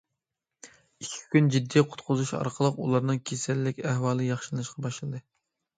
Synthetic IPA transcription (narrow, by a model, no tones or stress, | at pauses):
ikʲʰi̥kʲynd͡ʒid̪ːijqʰʊ̥t̪qʰʊzuʃɑ̰ɾqʰəlˠəqulˠɑɾnɨŋkʲʰesɛlːɪkʲæhwɑːlˠɨjɑχʃɨlˠɨnɨʃqʰɑbɑʃlˠɨd̪ɨ